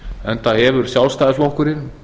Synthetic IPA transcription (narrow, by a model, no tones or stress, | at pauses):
ɛnθaðhɛvʏɾ̥sjawlst̪ajðɪsflowhkʏɾɪ